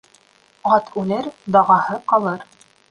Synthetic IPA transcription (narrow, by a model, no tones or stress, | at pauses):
ʁɑt̪ʰʉlɘɾd̪ɑʁɑhɤqɑlˠɤɾ